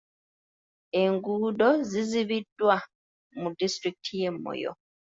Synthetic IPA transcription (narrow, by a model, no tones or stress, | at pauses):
e̞ŋɡuːdo̞ziziβidːwa | mudistɾikitʰije̞mːo̰jo̰